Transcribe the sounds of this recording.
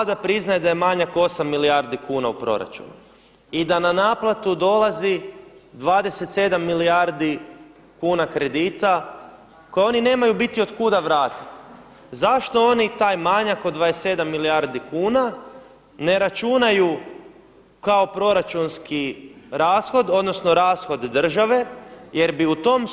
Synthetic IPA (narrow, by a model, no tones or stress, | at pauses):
d̪apɾiznajed̪ajemaɲako̞samːiliaɾd̪ikuːnaupɾo̞̰ɾa̰t͡ʃṵnu | id̪ananaːplˠat̪ud̪o̞lˠazid̪ʋaːd̪e̞set̪se̞d̪amːilijaɾd̪i | kuːnakɾe̞d̪iːt̪a | kojeo̞nine̞ːmajubit̪io̞d̪kud̪aʋɾaːt̪i̥t̪ | zaʃt̪o̞o̞nit̪aːjmaɲakod̪ʋaese̞d̪amːiliaɾd̪ikuːna | ne̞ɾat͡ʃunaju | kao̞pɾo̞ɾat͡ʃunskiɾaːsxo̞d̪o̞d̪no̞sno̞ɾaːsxo̞d̪ːr̩ʒaʋe̞je̞ɾbiut̪o̞m